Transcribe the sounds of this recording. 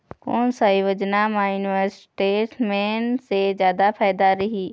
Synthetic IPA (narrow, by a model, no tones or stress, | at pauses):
ko̰ːnsaɦiʋəd͡ʒnamãjunʋəɾsʈeːsmeːnsed͡ʒjaːd̪apʰaːjd̪aɾɐɦiː